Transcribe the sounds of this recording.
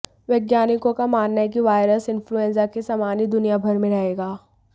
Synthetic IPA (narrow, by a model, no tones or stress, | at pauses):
ʋjɐɡjaːnɪkõkamaːnːaek̬iʋaːɪɾəsɪ̃nfɾuɛ̃nsakesaːmaːnid̪ʊnijabʱɐɾmẽɾɐɦeːɡaː